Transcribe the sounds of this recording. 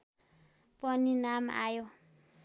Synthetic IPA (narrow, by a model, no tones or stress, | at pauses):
pʼɔninam̰a̰jɔ